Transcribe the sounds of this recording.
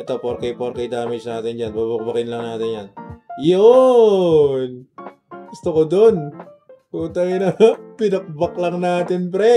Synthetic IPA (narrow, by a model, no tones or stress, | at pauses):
t̪ɐpoɾkɐjpoɾkɐjd̪aːmɪd͡ʒnaːt̪ɪnd͡ʒanbabɐk̚bɐkɪnlɐŋnaːt̪ɪnjanjo | n | ɡ̥ʊst̪okod̪on | uːt̪ɐŋɪnɐpɪnɐk̚bɐk̚lɐŋnaːt̪ɪnpɾɛ